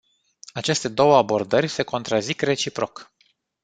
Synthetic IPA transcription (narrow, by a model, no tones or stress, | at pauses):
at͡ʃe̞st̪e̞d̪o̞wəabo̞rd̪ərʲse̞ko̞nt̪ɾazikre̞t͡ʃipɾo̞k